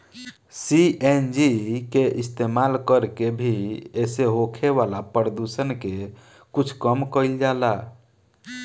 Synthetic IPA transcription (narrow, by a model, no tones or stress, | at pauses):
siend͡ʒikeʔist̪emalkəɾkebʱieseɦokʰeʋalapəɾəd̪usənke | kut͡ʃʰkəmkəild͡ʒala